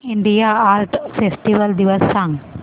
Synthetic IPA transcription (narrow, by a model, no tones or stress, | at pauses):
ĩɳɖijaaːɾʈfesʈiʋəld̪iʋɔssãŋ